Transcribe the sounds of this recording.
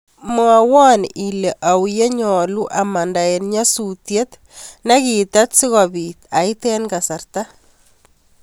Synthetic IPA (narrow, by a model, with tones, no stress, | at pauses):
ma˨wɔ˦ni˨le˨ʔa˨wje˦ɲɔ˨lu˦ʔa˨ma˨nda˨enɲa˦sutje˦t̪ | na˦ki˨t̪a˦t̪si˦ɣɔ˨bi˨t̪a˨it̪ɛ˦nka˨sa˨rta